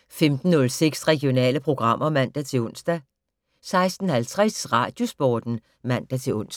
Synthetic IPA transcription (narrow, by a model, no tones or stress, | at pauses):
femd̥n̩ːɔ̽lseɡ̥sʁɛɡ̥ijo̝nɛ̰ːləpʰʁo̝ɡ̥ʁɑ̈m̰ʔɐmæn̰d̥æt͡sʰe̝lɔ̽n̰sd̥æ | sɑ̈ɪsd̥n̩hælt͡sʰʁɛsʁɑ̰̈d̥jo̝sb̥ɒːd̥n̩ | mæn̰d̥æt͡sʰe̝ɔn̰s